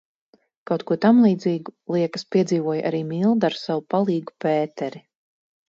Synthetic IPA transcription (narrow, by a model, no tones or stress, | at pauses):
kawt̪̚kuɔt̪amlˠiːd̪ziːɡulˠiɛkaspiɛd̪ziːvuɔjʔa̰ɾiːmilˠd̪aɾsawupalˠiːɡupeːt̪ɛɾi